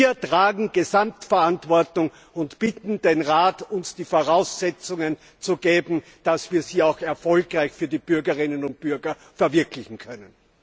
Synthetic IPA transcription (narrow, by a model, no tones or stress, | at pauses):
iːɐtʁ̥aːɡŋ̩ɡ̥ezamtfɛɐʔantvɔɐtʊŋ | ʊntb̥ɪtn̩denʁaːtʊnsd̥iːfoʁaʊsːɛt͡sʊŋən | t͡suɡ̥eːbm̩d̥asv̥iːɐziːaʊxɛɐfɔlkʁaɪçfyːɐdiːb̥ʏɐɡəʁɪnənʊnt̚b̥ʏɐɡɐ | fɛɐvɪɐkʰlɪçŋ̩kʰœnən